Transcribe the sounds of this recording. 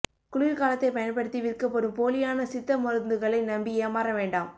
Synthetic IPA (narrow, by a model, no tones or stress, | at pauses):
kʊɭɪlkaːlɐt̪ːɐɪpɐjɐnpɐɽɯt̪ːiʋɪrkːɐpːɔɾɯmpoːlɪjaːnɐsɪt̪ːɐmɔɾɐnd̪ɯɣɐɭɐɪnɐmbieːmaːɾɐʋeːɳɖaːm